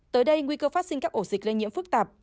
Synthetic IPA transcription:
t̪əː˨˦jɗə˧jŋwi˧kəː˧faː˦˥t̚si˧ŋ̟kaː˦˥kʔo˧˩zï˨˩k̚le˧ŋɲḭ˧˥əmfɨ˦˥k̚t̪aː˨˩p̚

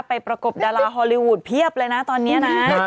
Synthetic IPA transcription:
pa˧jpɾa˧ko˨˩p̚daː˧laː˧ɦɔː˧li˧wu˨˩t̪̚pʰi˦˥˩əp̚lɤː˧jna˦˥t̪ɔː˧nːi˦˥ɐna˦˥

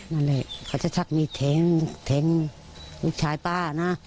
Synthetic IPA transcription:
ma˧˨nle˧˩˨kʰaː˧˩t͡ɕa˧˨t͡ɕʰa˧k̚miː˧˨t̪ʰe˨˦ŋt̪ʰe˨˦ŋ | lu˧˥˨k̚t͡ɕʰaː˨˦jpaː˧˩˧na˧˥

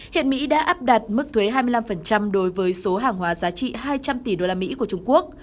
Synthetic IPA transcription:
hḭ˧˨ənmḭ˧˥ɗa̰ː˧˥ʔaː˦˥p̚ɗa˨˩t̚mɨ˦˥k̚t̪ʰwe˨˦ɦaː˧jmɨ˧jla˧mfə˨˩nt͡ɕa˧mɗo˨˦jvəː˨˦jso˨˦ɦaː˨˩ŋɦwaː˨˦zaː˨˦t͡ɕḭ˧˨haː˧jt͡ɕa˧mt̪i˨˩ɗo˧laː˧mḭ˧˥ku˧˩ət͡ɕʊ˧ŋ͡mku˦˥ək̚

